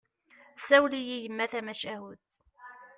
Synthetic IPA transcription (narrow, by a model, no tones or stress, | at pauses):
sæwlijijəmːæθæmæʃæɦut̪